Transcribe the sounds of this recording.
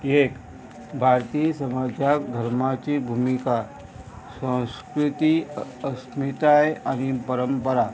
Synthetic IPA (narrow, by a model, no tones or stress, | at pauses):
ek | bʱaɾt̪isəmad͡ʑʱjakd̪ʱəɾmat͡ɕibʱumika | sə̃w̃skɾut̪iəsmit̪ajañipəɾəmpəɾa